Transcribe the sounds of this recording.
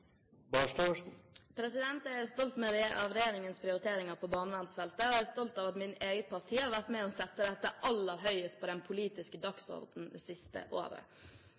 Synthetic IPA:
bɑːʂʈɑəʂn̩pʰɾɛsɪd̪ɛnt̪ææɾst̪ɔlt̪mɛɾɑ̰ʋɾɛjeːɾɪŋənspʰɾɪʊɾɪt̪ʰeːɾɪŋɑɾpʰɔbɑːnəʋɑnsfɛlt̪əɔæɾst̪ɔlt̪ɑːʋɑt̪mɪneːɡət̪̚pʰɑɾt̪ʰiːhɑɾʋæɾt̪mɛɔsɛt̪ːəd̪ɛt̪ːəʔɑlːəɾɦœʏəst̪̚pʰɔd̪ɛnpʰʊliːt̪ɪskəd̪ɑksɔ̰ɾd̪n̩d̪ɛ̰sɪst̪ə̰ʔo̰ːɾə̰

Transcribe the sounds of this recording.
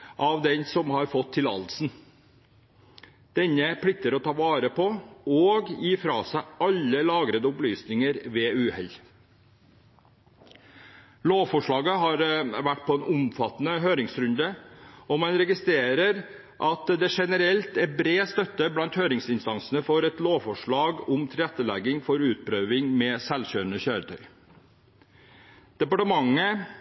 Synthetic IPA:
ʔɑʋd̪ɛnsɔmhɑɾfɔt̪ʰːɪlɑ̰lsn̩ | d̪̥ɛnːəpʰɽɪt̪ːəɾɔt̪ʰɑːʋɑːɾəpʰɔoːɡjiːfɾɑ̰ːsæɪʔɑlːəlɑːɡɾəd̪əʊplyːsnɪŋəɾʋɛːʉːhɛl | loːʋfɔʂɭɑːɡəɦɑɾʋæʈ̚ːpʰɔɛːnʔʊmfɑt̪nəɦøːɾɪŋsɾʉnd̪əɔmɑnɾɛɡɪst̪ɾeːɾəɾ | ʔɑt̪d̪ɛʂɛnəɾɛlt̪ɛbɾeːst̪œt̪ːəblɑnt̪høːɾɪŋsɪnst̪ɑnsn̩əfɔɾɛt̪loːʋfɔʂɭɑːɡʊmt̪ʰɪɾɾɛt̪ːəlɛɡɪŋfɔɾʉːt̪̚pʰɾøːʋɪŋmɛːsɛlɕøːɾənəçøːɾət̪ʰœʏ | d̪̥ɛpɑʈəmɑŋːə

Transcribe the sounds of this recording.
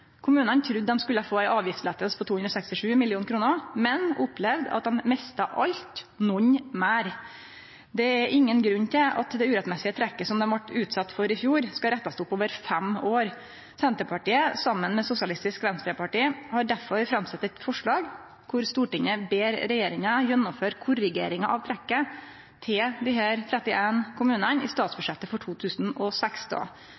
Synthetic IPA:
kʰʊmʉːnənt̪ʰɾʉd̪ːɛmskʉlːəɑfoːæɪʔɑːʋjɪft̪slɛt̪ːəspʰɔt̪ʰuːhʉnɾɔsɛkst̪ɪʂʉːmɪlɪuːnkʰɾuːnəmɛnʊpʰlɛʋd̪ɑ̰t̪̚d̪ɛmmɛst̪ɑʔɑlt̪nɔɲmæːɾ | d̪ɛæɾʔɪŋːənɡɾʉɲːt̪ʰɪʔɑ̰t̪d̪ɛʉːɾɛt̪mɛsɪət̪ʰɾɛkːəsɔmd̪ɛmʋɑʈːʉːt̪sɑt̪ːfɔɾɪfjuːɾskɑɾɛt̪ːɑst̪ʊpoːʋəɾfɛmoːɾ | sɛnt̪əpʰɑʈiːəsɑmːənmɛsʊsɪɑlɪst̪ɪskʋɛnst̪ɾeːpɑʈiːhɑɖæɾfɔɾfɾɑmsɛt̪ːɛt̪fɔʂɭɑːɡ | kʰʊɾst̪uːʈɪŋəbeːɾɾɛjeːɾɪŋɑjɛnːɔmføːɾkʰʊɾəɡḛːɾɪŋɑʔɑʋt̪ʰɾɛkːə | t̪ʰɪld̪ɪɦæːɾt̪ʰɾɛt̪ːɪʔeːnkʰʊmʉːnənɪ̰st̪ɑːt̪sbʉʂɛt̪ːəfɔʈʰuːt̪ʰʉːsn̩ɔsɛksd̪ɑ̰ː

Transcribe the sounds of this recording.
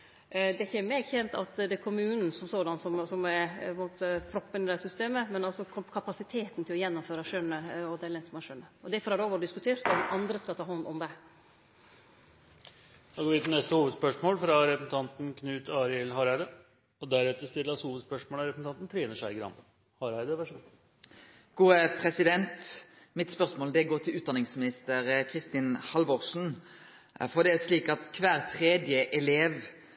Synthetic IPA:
d̪ɛæɾçəmɛɡçɛnt̪ɑ̰t̪d̪ɛkʰʊmʉːnn̩sɔmsɔd̪ɑnsɔmsɔmæɾɛnmoːt̪əpʰɾɔpːənɪd̪æsʏst̪eːməmɛnɑlsɔkʰkʰɑpɑsɪt̪ʰeːt̪n̩t̪ʰɪlɔjɛnːʊmføːɾɑʂœnːəɔd̪ɛlɛnsɔmɑʂœnːəɔd̪æɾfɔɾhɑɾɖɛoːʋɔɾd̪ɪskʉt̪ʰeːɾt̪ɔɑnd̪ɾəskɑt̪ʰɑːhɔnːɔmd̪ɛ | d̪oɡoːʋɪːt̪ʰɪnɛst̪əhuːʋəd̪spœʂmoːlfɾɑɾɛpəsn̩t̪ʰɑnt̪nkʰnʉːt̪ʰɑːɾɪɛlɦɑɾæd̪ə | ɔd̪æɾɛt̪ːəɾst̪ɪlːɑshuːʋəd̪spœʂmoːlɑɾɛpsn̩ʰɑnt̪n̩t̪ʰɾeːnəʂæɪɡɾɑ̰mb̪ə | hɑɾæɪd̪əʋæʂu | ɡ̥uːəpʰʁɛsɪd̪ɛnt̪ | mɪt̪spœʁsmoːld̪ɛɡoːt̪ʰɪlʉːt̪d̪ɑnɪŋsmɪnɪst̪əʁkʰʁɪst̪ɪnhɑlʋɔʁʂn̩ | fɔʁd̪ɛæsliːkɑt̪kʰʋæːɾt̪ʰʁeːd̪jəʔɛleːʋ

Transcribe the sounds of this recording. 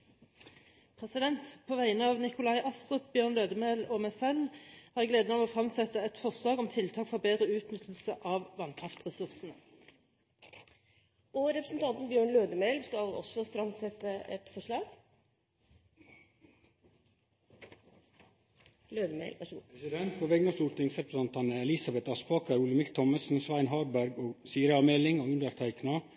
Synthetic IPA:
pʰʁɛsɪd̪ɛnt̪pʰoːʋæɪnəɑːʋnɪkʊlɑɪʔɑst̪ʁəpbjøːʁnløːd̪əmeːloːmæɪsɛlhæːʁɛɡleːd̪ənɑʋoːfʁɑmsɛt̪əɛt̪fɔʁslɑːɡɔmt̪ʰɪlt̪ʰɑːkfɔʁbeːd̪ʁəʉːt̪nʏt̪ʰl̩səʔɑːʋʋɑnkʰʁɑft̪ʁɛsʉʁsn̩ə | ʔɔɾɛpɾəsn̩t̪ʰɑnt̪n̩bjøːɳløːd̪əmeɪlskɑlɔ̰sːɔfɾɑmt̪sɛt̪ːəɛ̰t̪fɔʂɭɑːɡ | løːd̪əmḛɪlpɾsɪd̪ɛnt̪̚pʰoːʋɛɡnɑst̪uːlt̪ɪŋsɾɛpɾəsɛnt̪ɑnəɛlɪsɑbɛt̪ɑspɑːkʰəɾuləmɪkt̪ʰɔməsn̩sʋæɪnɦɑːɖbæɾɡoːɡsiːɾəɑmeːlɪŋoːʉnd̪əɾt̪ʰæɪknɑ

